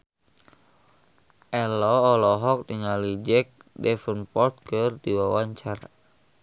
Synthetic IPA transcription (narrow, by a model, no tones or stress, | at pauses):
ʔɛlɔːlɔɦɔk̚diŋalid͡ʒɛk̚dɛfənpɔrt̪̚kɨrdiwawaɲt͡ʃara